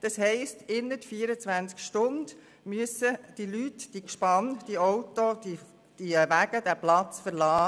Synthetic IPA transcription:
d̥ɑshɛɪstɪnːətfiːəɾət͡sʋænt͡skʃtʊnd | myəsəd̥ilytd̥ikʃpɑnd̥iɔwtoi | d̥iʋæɡ̥əd̥æplɑt͡sfəɾlɑː

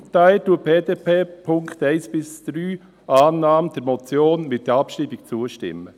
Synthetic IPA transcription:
taɪltuːpeːdeːpeːpʰʊŋkt̪æɪsb̥ɪsd̪̥ɾyː | ʔɑːnːɑːmd̥̪ɛɾmɔt͡sjoːnmɪt̚d̥ɛɾɑpʃtibɪk̚t͡suːəʃtɪ̰mːə

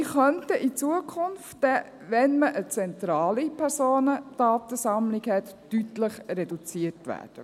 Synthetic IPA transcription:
iχœntəʔit͡suəkʰʊnftd̥ɛ | ʋɛnməʔət͡sɛnt̪ɾɑːlipʰɛɾsoːnəd̥ɑːt̪əsɑmlɪɡhɛt̪ːytləχɾɛdut͡siətʋæ̰ːd̥ə

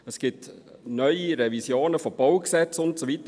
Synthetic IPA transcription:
əsɡ̥ɪtnœʏiɾɛvisjoːnəfob̥ɑwksɛt͡sʊntsovitə

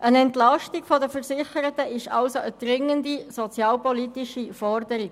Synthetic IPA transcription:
ʔənɛntlɑʃtiɡfɔdəfəɾsɪχəɾətəʔɪʃɑ̰lsoʔəd̥ɾɪŋəndisɔt͡sjɑːlpɔlitiʃifɔɾdəɾiɡ

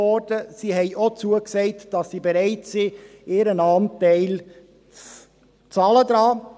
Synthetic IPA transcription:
ɔɾd̥əsiːɦɛɪʔot͡suəksɛɪtd̥ɑsːibeɾɛɪtsieːɾənɑːntɛɪl | t͡s | t͡sɑːlədɾɑː

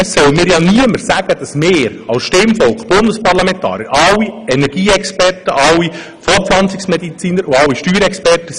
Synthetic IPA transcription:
ssœwəmiːɾjɑniəməɾsæɡ̥əd̥ɑsmeːɾɑʊsʃtɪmfɔlkb̥ʊndəspɑɾlɑmɛntʰɑ̰ːɾjəɾʔɑwːiɛnɛɾɡ̥iːɛkspɛrtəʔɑwi | fɔɾpflɑnt͡sɪksmɛd̪it͡siːnəɾʊɑwːiʃtyːɾɛkspɛrtə

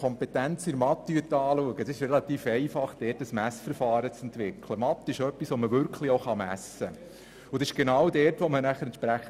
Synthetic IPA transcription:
ɔmpetænt͡siɾmɑt̪ːyətɑːluəɡədɑsɪʃrɛlɑt̪iːfɛɪfɑχd̥ɛːrtəsmæsfəɾfɑːɾət͡sɛnt̪ʋɪkʰləmɑt̪ːɪʃœpːisʋoməʋʏɾkχlioʊχɑmæsə | ʊdsɪʃɡ̥enɑwdɛːɾtʋɔmənæχəɾɛnt͡ʃpɾæχə

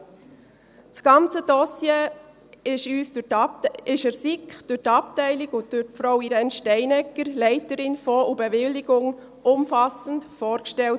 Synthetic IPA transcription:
t͡sɡ̥ɑnt͡səd̥ɔsjeː | ɪʃyːsd̥ʊɾtɪʃəɾsikχd̥ʊɾtɑp̚tɛɪlɪkʊntd̥ʊɾtfɾɔwiɾɛnʃtɛɪnɛkːəɾlɛɪtəɾɪnfɔubəʋɪlːiɡ̥ʊŋ | ʊmfɑsən̩tfɔːɾkʃtɛlt

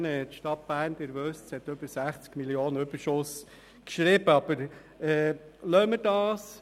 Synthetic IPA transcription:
nɛt̪ʃtɑt̚b̥æːɾnd̪ɪɾʋøstshɛt̪ːøb̥əɾsæχt͡skmiljoːnəøbəɾʃʊs | kʃɾiːb̥əɑb̥əɾ | ɛːlœməɾdɑːs

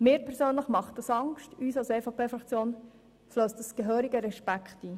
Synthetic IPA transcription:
mɪːɾpʰɛɾsøːnləχmɑχt̚d̥ɑsɑŋʃtyːsɑlseːfɑpeːfɾɑkt͡sjoːn | fløːstdɑsɡ̥əɦøːɾiɡəɾɛʃpækχtiː

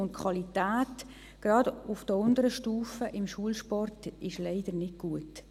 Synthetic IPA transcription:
ʊntkʰwɑlitæːt | ɡ̥rɑdʊfd̥əʊndəɾəʃtuːfəʔɪmʃuəlʃpɔrtɪʃlɛɪd̥əɾnɪd̚ɡ̥uət

